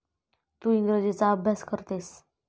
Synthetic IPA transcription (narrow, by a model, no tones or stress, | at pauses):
t̪uinɡ̪ɾod͡ʑet͡saːbʱjaskəɾt̪es